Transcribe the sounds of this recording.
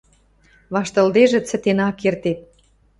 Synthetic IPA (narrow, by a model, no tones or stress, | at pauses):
βɑʃt̪ɤ̆ld̪eʒĕt͡sə̆t̪enɑkert̪et̪̚